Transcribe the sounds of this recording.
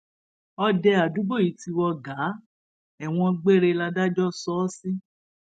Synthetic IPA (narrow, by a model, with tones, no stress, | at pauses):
ɔ˧dɛ˧a˨du˨˦ɡ͡bo˦˨i˨˦ti˧wɔ˧ɡa˨˦ | ɛ˨w̃ɔ̃˧ɡ͡be˦ɾe˧la˧da˦d͡ʒɔ˦sɔː˦si˦